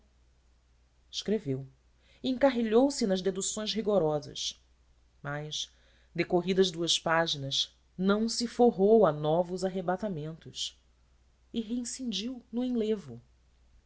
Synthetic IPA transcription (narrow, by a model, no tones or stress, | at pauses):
ɪ̥ʃkɾevew | ẽŋkaɦeʎowsɪnɐʒd̪ed̪usõj̃szɦiɡoɾɔzɐ̰ʃ | majʃ | d̪ekoɦid̪ɐʒd̪uɐspaʒinɐz | nɐ̃w̃sɪfoɦowanɔvʊzaɦebat̪amẽnt̪ʊʃ | ɪɦeĩsĩnd͡ʒiwnʊẽlevʊ